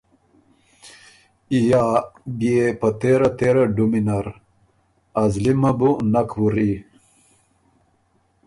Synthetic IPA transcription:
ijaːbiepat̪eɾat̪eɾaɖuminaɾ | azlimɐbunakʰwuɾi

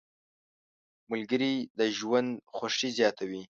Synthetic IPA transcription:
mʊlɡəɾid̪əʒwand̪xwaʂizjɑt̪ʰawi

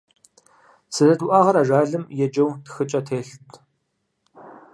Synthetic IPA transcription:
sʰɨzɐtʰuwʔaːʁɐɾaːʒʷaːɮɨmjɛd͡ʒɐwtxɨt͡ʃʼɐtʰeːɬtʼʰ

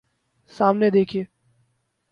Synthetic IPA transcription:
saːmned̪eːkʰieː

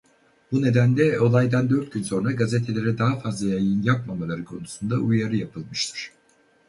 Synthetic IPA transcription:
b̥une̞d̪ænd̪ɛo̞lˠajd̪and̪ø̞ɾt̪̚ɟynso̞nɾaɡazet̪ʰe̞lʲe̞ɾɛd̪aɦafazlˠajajɯnjapmamalˠaɾɯkʰo̞nusund̪aʔujaɾɯjapʰɯlˠmɯʃt̪ʰɯ̥ɾ̥

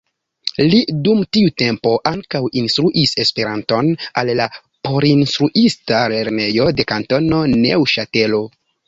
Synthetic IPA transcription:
lidumtiute̞mpo̞ʔaŋkawinstɾuʔise̞spe̞ɾanto̞nalːa | po̞ɾinstɾuʔistale̞ɾne̞jo̞de̞kanto̞no̞nḛwʃate̞lo̞

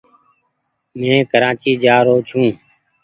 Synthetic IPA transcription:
mẽːkəɾaːt͡ʃiːd͡ʒaːɾoːt͡ʃʰũː

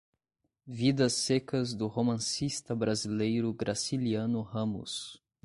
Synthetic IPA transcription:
vid̪ɐsːekɐzd̪ʊhomɐ̃sist̪ɐbɾazilejɾʊɡɾʔasiliɐ̃nʊhɐ̃mʊ̰s

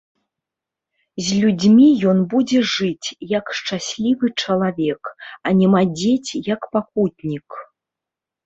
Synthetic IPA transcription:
zʲlʲud͡zʲmʲijɔnbud͡zʲɛʐɨt͡sʲjɐkʂt͡ʂasʲlʲivɨt͡ʂɐlˠavʲɛkɐnʲɛmad͡zʲet͡sʲjɐkpakut̪̚ʲnʲik

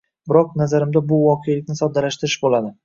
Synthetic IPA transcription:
bɪɾɒq̚nazaɾɪmd̪abʊvɒqʰejlɪkʲnɪsɒd̪ːalaʃt̪ɪɾɪʃbolad̪ɪ

